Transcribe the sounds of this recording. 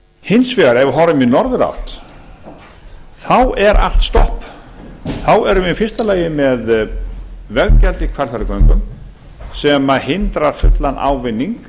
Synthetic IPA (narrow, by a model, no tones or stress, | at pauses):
hɪnsvɛɣaɾɛvʏɦɔɾaminɔɾðʏɾa̰wt̪ | θawɛɾʔa̰l̥t̪st̪ɔhp | θawɛɾʏmɪfɪst̪alaːjɪmɛð | vɛɣcɛlt̪ɪkʰvaɾlθaɾɪkœɥŋkʏm | sɛmahɪnt̪ɾaɾ̥fʏt̪lana̰ːwvɪnːiŋk